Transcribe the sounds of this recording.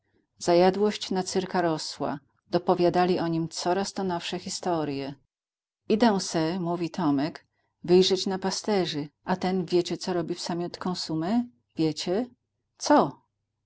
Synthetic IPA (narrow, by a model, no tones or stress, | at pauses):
z̥ajad̪wɔɕt͡ɕnat̪sɘɾkaɾɔswa̰ | d̪ɔpɔvʲjad̪alʲiʔɔɲimt̪sɔɾast̪ɔnɔfʂɛxʲist̪ɔɾjɛ | id̪ɛw̃sɛmuvʲit̪ʰɔmɛk | vɘjʐɛt͡ɕnapast̪ɛʐɘʔat̪ɛnvʲjet͡ɕɛt̪sɔɾɔbʲifsamʲjɔt̪kɔ̃w̃sumɛ | vʲjet͡ɕɛ | t̪sɔ